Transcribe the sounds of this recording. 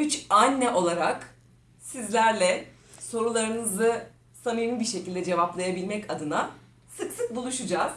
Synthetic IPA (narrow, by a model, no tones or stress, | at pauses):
yt͡ʃanʲːɛʔo̞lˠaɾak | sizlʲæɾlʲɛ | so̞ɾulˠaɾɯnɯzɯ | sanɯjɯnbiɾʃe̞cilʲd̪ɛd͡ʒe̞vaplˠajabilʲmɛcad̪ɯna | sɯksɯk̚bulˠuʃud͡ʒaːz̥